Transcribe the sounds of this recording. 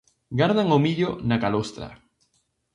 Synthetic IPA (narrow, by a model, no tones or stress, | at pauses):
ɡaɾðaŋomiʎonakalost̪ɾa̰